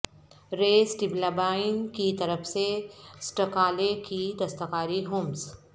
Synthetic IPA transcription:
ɾeːsʈɪblabaːɪnkit̪ɐɾəfsesʈɐkaːlekid̪ɐst̪ɐqaːɾiɦoːmz

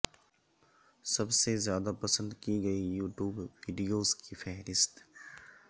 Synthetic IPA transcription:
sɐbsezjaːd̪apɐsə̃nd̪kiɡɐijuːʈjuːbʋiːɖijoːzkifɛɦɾɪst̪

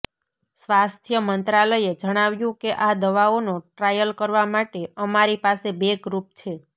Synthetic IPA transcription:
sʋast̪ʰjəmənt̪ɾaləjed͡ʒəɽ̃aʋjũkeʔad̪əʋaonoʈɾajəlkəɾʋamaʈeəmaɾipasebeɡɾup̚t͡ʃʰe

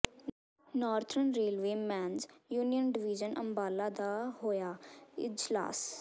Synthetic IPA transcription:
nɔːɾt̪ʰɾənɾeːlʋeːmɛːnzjuːnijənɖɪʋɪd͡ʒənʔə̰mbaːlaːd̪aːhoːjaːɪ̰d͡ʒla̰ːs

